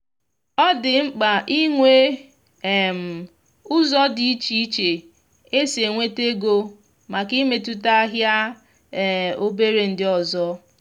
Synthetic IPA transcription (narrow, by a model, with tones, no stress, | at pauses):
ɔ˦dɪ˨ŋ͡m̩˦k͡pa˨ʔi˦ŋʷe˦ | e˨m̩˨ | ʊ˦zɔ˦di˦i˦t͡ʃi˦i˦t͡ʃe˨ | e˦se˨ŋʷe˦te˦ɡo˦ | ma˨ki˦me˨tu˦ta˦ɦja˦˨ | o˦be˦ɾe˨n̩˨dɪ˦ɔ˨zɔ˦